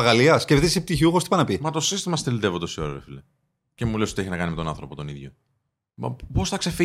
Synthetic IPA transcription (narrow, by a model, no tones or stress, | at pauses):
ɐɣɐliɐscefðisep̚t̪içiuxost̪ipɐnɐpimɐt̪o̞sist̪imɐst̪elid̪evot̪osio̰ɾeɾḛfile | cemulesot̪ieçinɐkɐnimet̪onɐ̰nθɾo̞po̞t̪oniðʝo̰ | mɐ̰po̞sθɐksefi